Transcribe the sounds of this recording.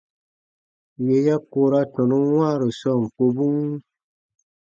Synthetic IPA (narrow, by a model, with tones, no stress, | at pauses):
je˨ja˦ko˧ɾa˧tɔ̃˨nũ˦w̃ãː˦˨ɾo˨sɔ˦˨ŋ˨k͡po˧bũ˦ŋ˦